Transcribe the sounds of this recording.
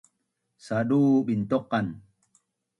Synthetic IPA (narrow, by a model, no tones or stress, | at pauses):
saɗuːɓint̪ɔqːan